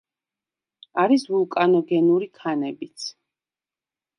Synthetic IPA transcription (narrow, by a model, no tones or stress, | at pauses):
aɾisvulˠkʼanɔɡɛnuɾikʰanɛbit̪sʰ